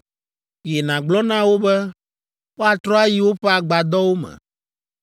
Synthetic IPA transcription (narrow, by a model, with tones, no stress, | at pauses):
je˨nã˨ɡ͡blɔ˦nã˦wo˦bɛ˦ | ɸɔ˦a˨t̪ɾɔ˦a˦ji˦wo˦ɸɛ˦a˨ɡ͡ba˨d̪ɔ˦wo˦mɛ̰̃˨